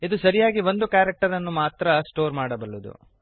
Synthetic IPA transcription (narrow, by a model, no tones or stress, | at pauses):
id̪usɐɾijaːɡiʋo̞nd̪ukaːɾek̚ʈɐɾɐnːumaːt̪ɾɐsʈo̞ːɾmaːɽɐbɐɭːud̪ṵ